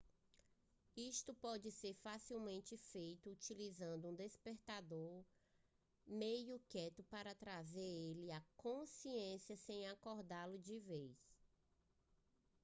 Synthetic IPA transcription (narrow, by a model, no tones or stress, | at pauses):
iʃt̪ʊpɔd͡ʒɪseɾfasiwmẽnt͡ʃɪfejt̪ʊut͡ʃilizɐ̃nd̪ʊũd̪espeɾt̪ad̪oɾ | mejʊkɛt̪ʊpaɾɐt̪ɾazeɾelɪakõsiẽsjɐsẽj̃akɔɾd̪alʊd͡ʒɪvejs